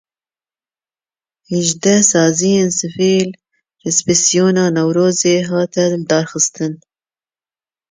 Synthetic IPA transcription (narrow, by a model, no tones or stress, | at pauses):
hɛʒd̪ɛsɑːzijeːnsɨfiːl | rɛspɪsijoːnɑːnɛwɾoːzeːɦɑːt̪ʰɛld̪ɑːɾxɨst̪ɨn